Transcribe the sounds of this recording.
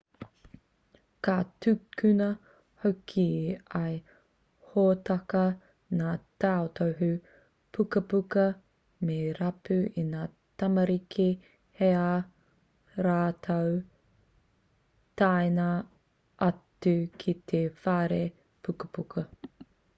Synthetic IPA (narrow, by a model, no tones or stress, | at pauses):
katʉkʉnɐ | hokʰiɐj | hoːtɐkɐ | naːtaot̪ʰowɦʉ | pʰukɐpukɐ | meɾɐpʉʔinaː | tɐmɐɾikʰi | hea | ɾaːtʰow | taenɐ | ʔɐtʉkʰit̪ʰefaːɾe | pʰukəpukʰɐ